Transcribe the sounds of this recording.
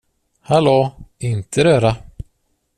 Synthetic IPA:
haloːɪnt̪ʰəɾœːɾa

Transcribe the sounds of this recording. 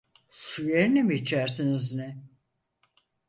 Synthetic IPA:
syjeɾinɛmiːt͡ʃʰæɾsiniznɪ

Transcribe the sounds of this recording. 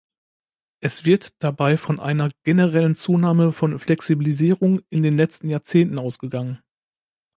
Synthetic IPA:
ʔɛsv̥ɪɐtd̥abaɪfɔnʔa̰ɪnɐɡ̥enəʁɛlənt͡suːnaːməfɔnflɛksibiliziːʁʊŋʔɪndeːnlɛt͡stn̩jaːɐt͡seːntn̩aʊsɡ̥əɡaŋən

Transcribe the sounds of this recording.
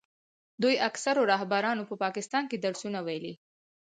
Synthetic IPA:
d̪ujaksaɾoɾɑɦbaɾɑnopəpɑkɪst̪ɑnked̪aɽsunawajli

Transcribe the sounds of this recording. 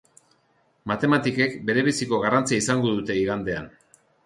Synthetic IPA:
mat̪e̞mat̪ike̞kbe̞ɾe̞β̞isiko̞ɣ̞arant͡siaisaŋɡo̞ðut̪e̞iɣand̪e̞an

